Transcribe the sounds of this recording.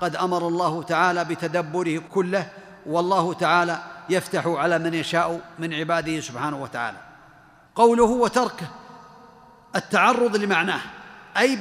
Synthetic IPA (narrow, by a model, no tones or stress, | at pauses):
qɑd̪ʔamɑɾˤɑlˤːɑːhʊt̪aʕaːlabɪt̪ad̪abːʊɾɪhkʊlːɪ | wɑlˤːɑːhʊt̪aʕaːlajaft̪aħʊʕalaːmanjaʃaːʔʊmɪnʕɪbaːd̪ɪhɪsʊbħaːnahʊwat̪aʕa̰ːla | qɑwlʊhʊwat̪ɑɾˤk | ʔɪt̪ːaʕɑrˤːʊðˤlːɪmaʕnaːhʔaj